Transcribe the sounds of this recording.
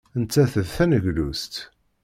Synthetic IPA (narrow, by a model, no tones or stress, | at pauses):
ənt͡sːæθəðθænəʝlust̪